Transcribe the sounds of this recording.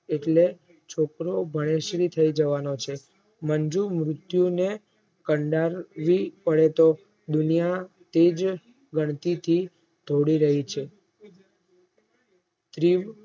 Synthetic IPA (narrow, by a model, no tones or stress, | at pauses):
eʈle | t͡ʃʰokɾobʱəɽ̃eʃɾit̪ʰəid͡ʒəʋanot͡ʃʰe | məɲd͡ʒumɾʊt̪june | kəɳɖaɾʋipəɽet̪o | d̪ʊnija | t̪ed͡ʒ | ɡəɳ̃t̪it̪ʰi | d̪ʱoɽiɾəɦit͡ʃʰe | t̪ɾiʋ